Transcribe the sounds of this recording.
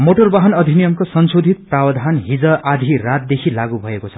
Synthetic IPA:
moʈorbaɦʌnʌd̪ʱinijʌmkosʌnsod̪ʱit̪̚prawʌd̪ʱanɦid͡zʌʔad̪ʱirat̪̚ːekʰilaɡubʱʌekot͡sʰʌ̥

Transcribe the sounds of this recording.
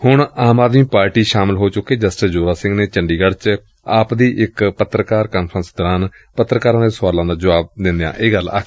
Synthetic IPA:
hʊɳaːmaːd̪mĩːpaːɾʈiːʃaːmɪlɦoːt͡ʃʊkːeːd͡ʒəsʈəsd͡ʒoːɾaːsɪ̃ŋɡneːt͡ʃəɳɖiːɡəɽt͡ʃ | aːpd̪iːʔɪkpət̪ɾəkaːɾkaːnpʰɾə̃nsd̪əɾaːn | pət̪ːɾəkaːɾãːd̪eːsʊʋaːlãːd̪aːd͡ʒəʋaːb̚d̪ɪnd̪ejã̰ːʔeːɡəla̰

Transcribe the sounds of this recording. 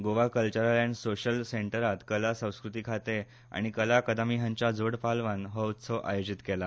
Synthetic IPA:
ɡoʋakəlt͡ɕəɾalaɳsoɕəlseɳʈəɾat̪kəlasə̃w̃skɾut̪iːkʰat̪e | a̰ɽ̃ikəlakəd̪amiɦãɲt͡ɕad͡zoɽpalʋanɦət͡sʰɔʔa̰jod͡ʑit̪kela

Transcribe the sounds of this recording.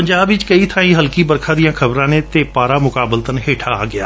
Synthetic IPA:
pəɲd͡ʒaːbʋɪt͡ʃkəiːt̪ʰaːĩːɦəlkiːbəɾkʰãːd̪ijãːkʰəbɾãːnẽːt̪eːpaːɾaːmʊkaːbəlt̪ənɦeːʈʰa̰ːɡɪa̰ː

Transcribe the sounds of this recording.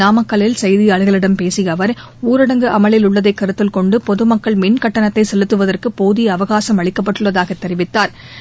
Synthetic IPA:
aːmɐkːɐɭɪlsɐjðɪjaːɭɯɣɐɭɪɽɐmpeːsɪjɐʋɐɾ | uːɾɐɽɐŋɡɯʔɐmɐɭɪlʊɭːɐðɐɪkːɐɾɯt̪ːɪlkɔɳɖɯpɔðɯmɐkːɐɭmɪnkɐʈːɐnɐt̪ːɐɪsɛlɯt̪ːɯʋɐðɐrkɯpoːðijɐʋɐɣaːsɐmɐɭɪkːɐp̬ːɐʈːɯɭːɐðaːɣɐt̪ːɛɾɪʋɪt̪ːaːɾ

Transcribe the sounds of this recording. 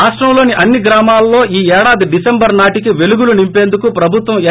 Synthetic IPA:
aːʂʈɾɐmlo̞ːniʔɐnːiɡɾaːmaːlɐːo̞ːʔiːɛːɽaːd̪iɖisembɐɾnaːʈikiʋe̞luɡulunimpe̞ːnd̪ukupɾɐbʱut̪ʋɐmɛ

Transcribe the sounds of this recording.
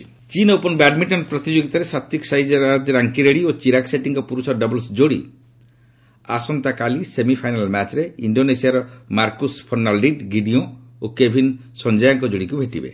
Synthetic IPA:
t͡ʃinɔopɔnbaɖmiʈɔnpɾɔt̪id͡ʒoɡit̪aɾesat̪ːiksajd͡ʒaɾad͡ʒɔɾaŋkiɾeɽiot͡ʃiɾakseʈiŋkɔpuɾusɔɔɖɔbɔlsd͡ʒoɽḭ | asɔnt̪akalisemipʰajnalmɛt͡ʃɾeiɳɖonesiaɾɔmaɾkuspʰɔɾnalɖiɖɡiɖiõokebʱinsɔnd͡ʒajɔŋkɔd͡ʒoɽikubʱeʈibḛ

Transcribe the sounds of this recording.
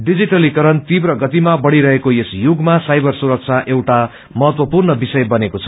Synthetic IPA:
ɖid͡ziʈʌlikʌɾʌnt̪ibrʌɡʌt̪imabʌɽiɾʌɦekojesjuɡmasajbʌrsuɾʌk̚t͡sʰaʔewʈa | mʌɦʌt̪wʌpurnʌbisʌjbʌnekot͡sʰʌ̥

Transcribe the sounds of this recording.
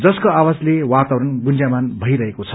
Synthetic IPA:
d͡zʌskoawaslewat̪awɾʌnɡund͡ʒamanbʱʌiɾʌɦekot͡sʰʌ̥

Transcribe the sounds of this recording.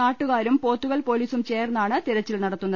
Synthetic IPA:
naːʈːuɣaːɾumpo̞ːt̪ːuɣɐɭpo̞ːliːsumt͡ɕe̞ːrnːaːɳɨt̪iɾɐt͡ɕːilnɐɽɐt̪ːunːɐð

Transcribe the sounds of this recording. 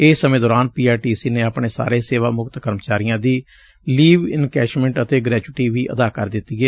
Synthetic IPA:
eːsːəmẽːd̪ɔːɾaːnpiːaːɾʈiːsiːneːapɳeːsa̰ːɾeːseːʋaːmʊkt̪kəɾmət͡ʃaːɾɪjãːd̪iː | liːʋɪnkɛːt͡ʃmɛ̃ɳʈət̪eːɡɾɛːd͡ʒʊɪʈiːʋiːʔə̰d̪aːkəɾd̪ɪt̪ːiːeː

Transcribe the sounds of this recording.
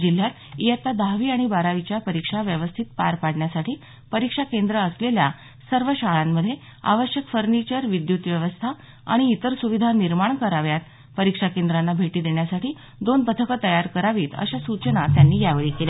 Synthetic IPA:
d͡ʑil̤jat̪ | ijət̪ad̪aʋiːaɽ̃ibaɾaʋit͡ɕjapəɾikʂaʋjəʋəst̪ʰit̪pa̰ɾpaɽɳjasaʈʰiː | pəɾikʂakend̪ɾəːslelja | səɾʋəɕaɭamːəd̪ʱːje | a̰ʋəɕjəkfəɾnit͡ɕəɾʋid̪jut̪ʋjəʋəst̪ʰa | a̰ɽ̃iːt̪əɾsuʋid̪ʱaniɾmaɳkəɾaʋjat̪̚ | pəɾikʂakend̪ɾanːabʱeʈiːd̪eɳjasaʈʰiː | d̪onpət̪ʰəkət̪əjaɾkəɾaʋiːt̪ə̰ɕasut͡ɕənat̪janːiːjaʋeɭikelja

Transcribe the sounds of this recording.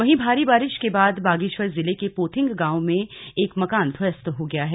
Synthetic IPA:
ʋɐɦĩbʱaːɾibaːɾɪʃkebaːd̪baːɡɪʃwəɾzɪlekepoːt̪ʰɪ̃ŋɡɡãːomẽeːkmɐkaːnt̪ʰwɐjəst̪ɦoɡɐjaɦɛː

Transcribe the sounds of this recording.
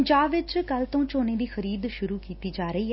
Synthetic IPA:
ɲd͡ʒaːbʋɪt͡ʃkəlt̪õːt͡ʃoːneːd̪iːxəɾiːd̪ʃʊɾuːkiːt̪iːd͡ʒaːɾəiːɦɛ

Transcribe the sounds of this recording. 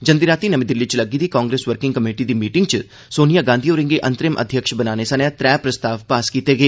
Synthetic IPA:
d͡ʒɐnd̪iɾaːt̪inɐmĩd̪ɪlːit͡ʃlɐɡid̪ikaːŋɡɾeːsʋəɾkɪ̃ŋɡkəmeːʈid̪iːmiːʈɪŋɡt͡ʃ | soːnijaːɡãːnd̪ʱioːɾɪ̃ŋɡeʔɐ̃nt̪ɾɪmʔə̰d̪ʱjəkʃbɐnaːnesɐnjãt̪ɾɛːpɾɐst̪aːʋpaːskiːt̪eɡeː

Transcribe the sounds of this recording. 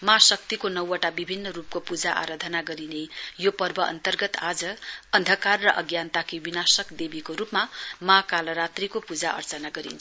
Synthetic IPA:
mãsʌk̚t̪ikonʌwʌʈabibʱinːʌɾup̚kopud͡zaʔa̰ɾad̪ʱʌnaɡʌɾinejopʌrbʌʔʌ̰nt̪ʌrɡʌt̪ad͡zʌːnd̪ʱʌkarːʌʔʌɡjant̪akibinasʌkd̪ebikoɾupmamakalʌɾat̪rikopud͡zaʔʌ̰rt͡sʌnaɡʌɾḭnt͡sʰ

